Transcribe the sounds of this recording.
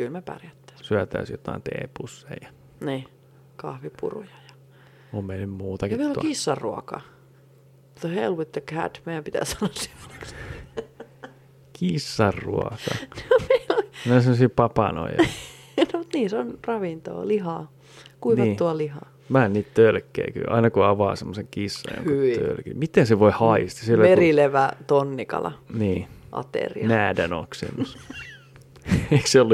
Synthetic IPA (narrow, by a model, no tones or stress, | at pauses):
kylmepɑ̰rjæt̪ːæ̥syæt̪æ̰ːsjot̪ɑ̰int̪ḛːpusːḛijɑ | niː | kɑhʋipṵrṵjɑjɑ̥ | ommeinymmuːt̪ɑkimeilokisːɑrːuo̰kɑ̰ | t̪ohelʋut̪ːekhæ̰d̪meijæmpit̪æ̰sɑnosse̥mːoe̥ks | kʰisːɑrːṵɔkɑnomelomeosemːosiːpɑpɑno̰ijɑ | nomut̪niːsonrɑʋint̪o̰ːliɦɑː | kuiʋnɑit̪tuɑlihɑ̰ː | mænniːt̪t̪ølkːḛiky̰ʔɑ̰inɑkuɑʋɑ̰ːsemːoseŋkisːɑ̰jo̰ŋkt̪ø̰lkḭmit̪enseʋoihɑist̪ɑsilːæerileʋæt̪onːikɑ̰lɑ̰niːʔɑ̰t̪ḛriɑnæːdæno̰ksḛmːus | eikseolːu